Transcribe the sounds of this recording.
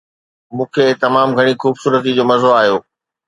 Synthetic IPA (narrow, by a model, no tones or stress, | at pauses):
mũːkʰet̪ɐmaːmɡʱɐɽ̃ixuːbsuːɾət̪̬id͡ʑoːmɐzoaːɦjoː